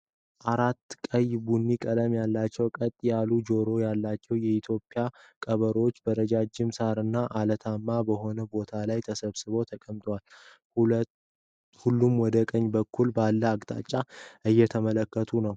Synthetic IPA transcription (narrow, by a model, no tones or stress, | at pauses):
ʔaɾat̪ːkʼəjbunːikʼələmjalːat͡ʃːɛwkʼət̪ʼːjalud͡ʒo̞ɾo̞jalːat͡ʃːɛwjɛit̪ʰjo̞pʼːɪjakʼəβəɾo̞t͡ʃːbəɾəd͡ʒad͡ʒɪmsaɾɨnːaʔalət̪ʰamːabəho̞nəbo̞t̪ʰalajt̪ʰəsəβsɨβo̞t̪ʰəkʼəmt̪ʼwal | hulːumwɔd̪əkʼəɲːbəkʰːulbalːəaɡt̪ʼa̰t͡ʃʼːaʔɨjːɛt̪ʰəmələkːət̪ʰunəw